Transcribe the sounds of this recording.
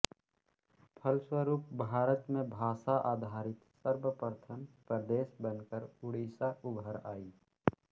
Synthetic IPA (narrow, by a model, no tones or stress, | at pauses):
pʰəlswəɾuːp̚bʱaːɾət̪mẽbʱaːsaʔaːd̪ʱaːɾɪt̪səɾbəpəɾt̪ʰəmpɾəd̪eːsbənkəɾʊɽiːsaʊbʱəɾaːiː